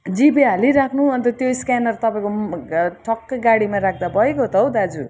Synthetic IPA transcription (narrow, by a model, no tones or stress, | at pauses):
d͡zibeɦaliɾakʰnuʌnt̪ʌt̪joiskanʌrt̪ʌpaĩkoʈʰʌkːɡaɽimarakʰd̪abʱʌekot̪ʌwd̪ad͡zu